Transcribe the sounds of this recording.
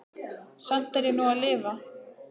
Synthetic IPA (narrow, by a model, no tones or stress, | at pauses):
sam̥t̪aɾjɛnuaðlɪːva